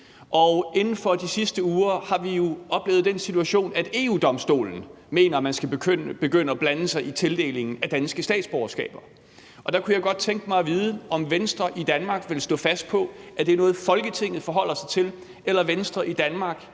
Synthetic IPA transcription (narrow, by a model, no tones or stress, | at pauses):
ʔɒ̽e̝nn̩fɒ̽d̥isisd̥əuːɐhɑ̈ʋijo̝ɒ̽b̥le̝ːʊð̞̩ˠd̥ensit͡sʰuæɕo̝̰ːnæd̥e̝ːuːd̥ɒ̽msd̥o̝̰ːln̩ | me̝ːnɐmænsɡ̥æ̥øb̥e̝ɡ̥øn̰əɒb̥lænəsɑ̈ɪʔit͡sʰe̝ld̥e̝̰ːle̝ŋn̩æd̥ænsɡ̥əsd̥ɛ̰ːd̥sb̥ɒʊɐsɡ̥ɛ̰ːb̥ɐ | ɒ̽d̥ɑ̈kʰujɑ̈ɪɡ̥ɒ̽d̥̚t͡sʰeŋɡ̥əmɑ̈ɪʋiːðˠəɒ̽mʋensd̥ʁɐʔid̥ænmɑ̈ːɡ̥ʋe̝lsd̥ɔ̰̽ːfæsd̥̚pʰɒ̽æd̥e̝ɐnɔ̽ːð̩ˠfɒ̽lɡ̥ət͡sʰe̝ŋ̰ð̞̩ˠfɒ̽ɦɒ̽l̰ɐsɑ̈ɪt͡sʰe̝l | elɐʋensd̥ʁɐʔid̥ænmɑ̈ːɡ̥